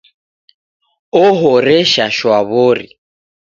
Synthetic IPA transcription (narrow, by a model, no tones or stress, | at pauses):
ɔɦɔɾɛʃaʃwaβoɾḭ